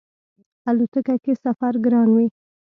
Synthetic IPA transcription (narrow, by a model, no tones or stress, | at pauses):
alot̪əkakesafaɾɡɾɑnwi